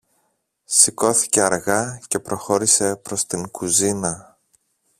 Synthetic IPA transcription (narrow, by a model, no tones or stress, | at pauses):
siko̞θi̥ce̞ɐɾɣɐce̞pɾo̞xo̞ɾise̞pɾo̞st̪iŋkuzinɐ